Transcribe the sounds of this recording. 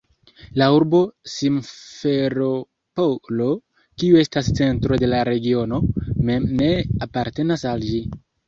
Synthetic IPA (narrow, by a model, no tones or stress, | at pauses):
lauɾbo̞simfe̞ɾo̞ | polo̞ | kiue̞stast͡se̞ntɾo̞de̞laɾe̞ɡio̞no̞memne̞apaɾte̞nasald͡ʒi